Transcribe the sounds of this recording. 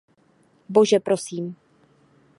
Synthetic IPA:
boʒɛpɾosiːm

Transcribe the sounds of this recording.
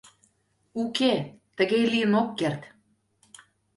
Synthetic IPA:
uket̪ə̆ɣejliə̆nokːert̪

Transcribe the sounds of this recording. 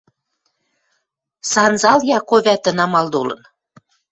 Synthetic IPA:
sɑnzɑljɑkoβʲæt̪ə̆nɑmɑld̪olɤ̰̆n

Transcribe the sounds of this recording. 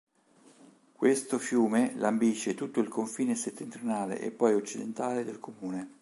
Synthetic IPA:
kwest̪ofjuːmelambiʃːet̪ut̪ːoilkoɱfiːneset̪ːent̪ɾjonaːlḛʔḛpːɔjot͡ʃːid̪ent̪aːled̪elkʰomuːne

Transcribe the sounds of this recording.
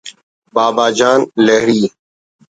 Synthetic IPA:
baːbaːd͡ʒaːnleɦɾiː

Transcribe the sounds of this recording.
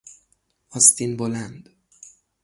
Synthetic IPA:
ɒst̪ʰinbolænd̪̥

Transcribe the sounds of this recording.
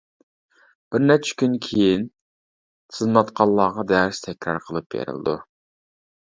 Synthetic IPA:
b̥ɪɾnɛt͡ʃʰɛ̥kʲynkʲʰejin | t̪ʰzmɑt̪qʰɑlˠːɑːʁɑd̪ɛɾɪʃt̪ʰɛkʲɾɑ̰ɾqʰəlˠɨp̚bḛɾɪ̰lɨ̰d̪ṵ

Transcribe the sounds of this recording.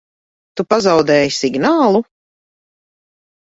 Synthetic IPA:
t̪upazawd̪ɛːjisiɡnaːlˠu

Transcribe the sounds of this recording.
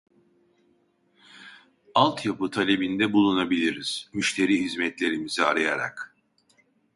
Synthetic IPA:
alˠt̪ʰjapɯt̪ʰalʲe̞bind̪ɛbulˠunabilʲiɾiz̥myʃt̪ʰe̞ɾiːɦizmɛt̪lʲe̞ɾimizia̰ɾajaɾa̰k

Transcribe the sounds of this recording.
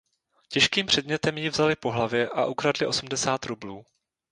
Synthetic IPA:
cɛʃkiːmpr̥ɛdmɲɛt̪ɛmjɪvzalɪpo̞ɦlavjɛʔaʔukɾadlɪʔo̞sum̩dɛsaːt̪ɾubluː

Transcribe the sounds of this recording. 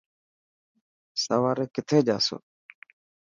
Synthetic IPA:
səʋaːɾeːkɪt̪ʰeːd͡ʒa̰ːso̰ː

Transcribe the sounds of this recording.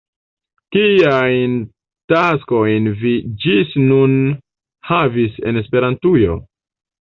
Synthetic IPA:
kiajn | tasko̞jnvid͡ʒisnun | havise̞̰ne̞spe̞ɾantujo̞̰

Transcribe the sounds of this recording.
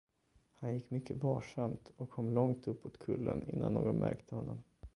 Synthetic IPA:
hanjɪkːmʏkʰːəbɑːʂamt̪ɔkʰːɔmːlɔŋt̪ɵpːoːt̪kʰɵlːənɪnːanːoːɡɔnmʔæ̰ɾkt̪ʰəhɔnːɔm

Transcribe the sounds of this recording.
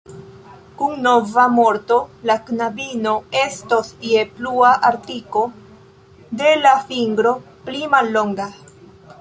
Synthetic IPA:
kuŋno̞vamo̞ɾto̞laknabino̞e̞stosie̞pluaʔaɾtiko̞ | de̞lafiŋɡɾo̞ | plimalːo̞ŋɡa

